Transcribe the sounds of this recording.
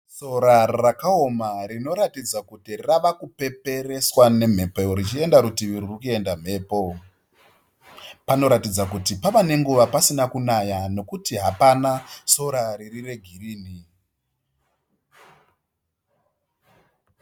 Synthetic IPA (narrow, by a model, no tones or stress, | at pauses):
so̞ɾarakao̞marino̞ɾatid͡zakutiraʋakupe̞pe̞ɾe̞swane̞m̤e̞pejoɾit͡ʃie̞ndaɾutiʋiɾurukie̞ndam̤e̞ːpo̞ | pano̞ɾatid͡zakutipaʋane̞ŋɡuʋapasinakunajano̞kutiɦapanaso̞ɾaɾirire̞ɡʱiriːni